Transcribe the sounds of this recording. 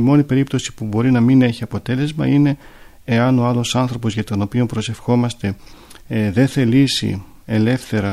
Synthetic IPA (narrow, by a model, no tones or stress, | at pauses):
imo̞nipe̞ɾipt̪o̞si̥pubo̞ɾinɐmine̞çiɐpo̞t̪e̞le̞zmɐ̰ine̞ː | ɐno̞ɐlo̞sɐnθɾo̞po̞zʝɐt̪o̞no̞pio̞mpɾo̞se̞fxo̞mɐst̪e̞ | ðe̞nθe̞lisḭ | e̞le̞fθe̞ɾɐ